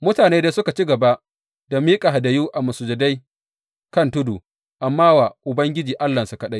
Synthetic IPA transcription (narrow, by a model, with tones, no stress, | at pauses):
mʊ˦taː˨neː˦de˦sʊ˦ka˨t͡ʃi˦ɡɐ˨ba˦ʔ | d̥a˨miː˦kʼa˨ɦa˨dɐ˨juː˦ʔa˨mʊ˨sʊ˨d͡ʒɐ˨da˦j | kɐ˦˨ntʊ˦du˨ | ʔa˨mːaː˦wa˨ʔʊ˨bɐ˦ŋɡʲɪ˦d͡ʒiː˨ʔa˦lːɐ˨su˨kɐ˦ɗa˦j